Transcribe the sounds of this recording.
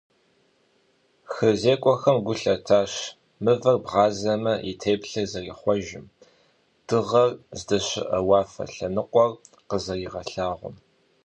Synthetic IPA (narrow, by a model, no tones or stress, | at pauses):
xɨzeːkʷʼɔxɐmɡʷʊɬɐtʰaːɕ | mɨvɐrbʁɑːzɐmɐʔitʰeːpɬɐzɐriχʷɔʒɪm | d̥ɨʁɐrzdɐɕɪ̰ʔɐwɑːfɐ̰ɬɐnɨqʷʼɔr | qəzɐriʁɐɬaːʁʷʊ̰m